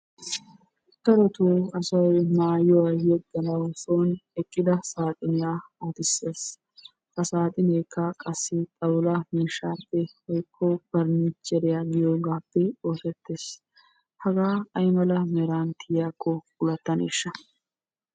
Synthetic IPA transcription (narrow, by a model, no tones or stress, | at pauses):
t̪ɐɾɔt̪uːɐsɐwjmaːjɔwajɛɡːɐnɐwsoːnɛkʼːɪd̪ɐsaːt̪ʼɪnɪjaːat̪ɪsːeːs | kɐsaːt̪ʼɪneːkʰːɐkʼɐsːɪt̪ʼɐwlɐmiːʃːaːpːɛhɔjkʰːɔb̥ɐɾnit͡ʃʼːɛɾɪjaɡɪjoːɡaːpːɛoːsɛt̪ːeːs | hɐɡaːɐjmɐlɐmɛɾaːnt̪ʰɪjjakʰːɔkʊlɐt̪ːɐnḛːʃːɐ